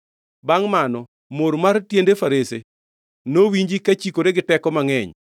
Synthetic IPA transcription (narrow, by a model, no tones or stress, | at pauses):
baŋmanɔ | moɾmartjendefaɾese | nowiɲd͡ʒikat͡ʃikoɾeɡɪtɛkɔmaŋɛɲ